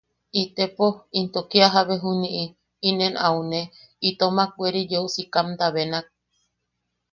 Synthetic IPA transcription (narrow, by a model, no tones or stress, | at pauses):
it̪epoint̪okiaɦaβeɦunĩʔi | inenawne | it̪omak̚ʷeɾid͡ʒeusikamd̪aβenak̚